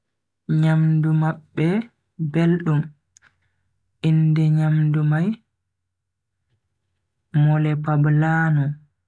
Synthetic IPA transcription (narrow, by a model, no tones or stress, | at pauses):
ɲamdumaɓːɛ | belɗum | indɛɲamdumaj | mɔlɛpablaːnɔ